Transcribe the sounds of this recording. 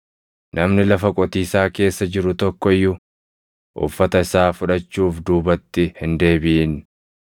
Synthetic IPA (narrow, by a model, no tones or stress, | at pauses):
nʔɐmnɪlɐfɐkʼɔt̪iːsaːke̞ːsːɐd͡ʒɪɾʊt̪ɔkːɔɪjːʊ | ʔʊ̰fːɐt̪ɐɪsaːfʊᶑɐt͡ʃːuːfd̪uːbɐt̪ːɪhɪnd̪e̞ːbɪʔin